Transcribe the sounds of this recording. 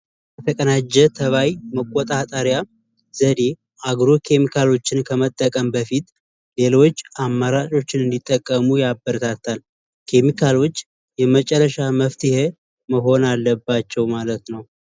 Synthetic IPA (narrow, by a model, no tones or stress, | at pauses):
bət̪ʰəkʼənad͡ʒːɛt̪ʰəβajməkʼːot̪ʼat̪ʼəɾja | z̥əd̪e̞ | ʔaɡɾokʰe̞mikʰalo̞t͡ʃːɪnkʰəmət̪ʼːəkʼəmbəfit̪ | le̞lo̞t͡ʃːʔamːaɾat͡ʃʼo̞t͡ʃːɪnɨnd̪it̪ʼːəkʼːəmujabːəɾt̪ʰat̪ʰːal | kʰe̞mikʰalo̞t͡ʃː | jɛmət͡ʃʼɛrːəʃaməft̪ʰihe | məɦo̞nalːəbːat͡ʃːɛwmalət̪nəw